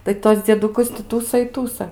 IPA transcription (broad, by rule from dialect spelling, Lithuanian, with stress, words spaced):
tɐɪ ˈtuɔs d͡zʲiɛdʊˈkʊs tʲɪ ˈtuːsɐ ɪ ˈtuːsɐ